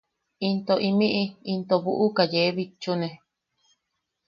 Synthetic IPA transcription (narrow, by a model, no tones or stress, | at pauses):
int̪oʔimĩʔiint̪oβuʔukajeβit͡ʃːunẽ